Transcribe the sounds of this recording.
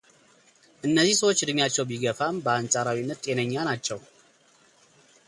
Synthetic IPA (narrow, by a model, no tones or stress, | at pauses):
ʔɨnːəzːisəwot͡ʃːd̪ɨmjat͡ʃːɛwbiɡəfambəansʼaɾawinːət̪ːʼenəɲːanat͡ʃːɛw